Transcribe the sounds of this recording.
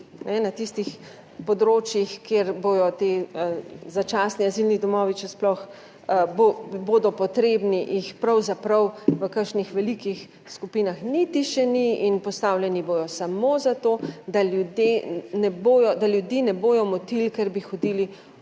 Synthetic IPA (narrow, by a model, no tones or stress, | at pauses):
nɛnat̪ist̪ix | pɔd̪ɾoːt͡ʃjixkeɾboːjɔt̪e | zat͡ʃaːsniazilnid̪ɔmɔːʋiʃɛsplɔx | boboːd̪ɔpɔt̪ɾeːbniʔixpɾɐwzapɾɐwʋəkəʃnixʋɛlikix | skupiːnaxnit̪iʃɛniinpɔst̪awljɛniboːjɔsamoːzat̪oːd̪aljud̪jenɛboːjɔd̪aljud̪jiːnɛboːjɔmɔt̪ilkɛɾbixɔd̪ili